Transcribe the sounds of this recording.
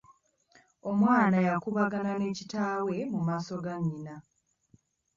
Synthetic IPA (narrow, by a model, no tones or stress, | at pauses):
o̞mwaːnajakuβaɡanane̞ːcitaːwe̞mumaːso̞ɡaɲːina